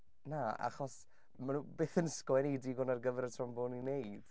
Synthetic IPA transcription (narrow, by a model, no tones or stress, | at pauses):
naa̰χɔs | manuːbeːθənskwɛnediɡʊnarɡəvɛɾətʰrɔmbʊninejd̥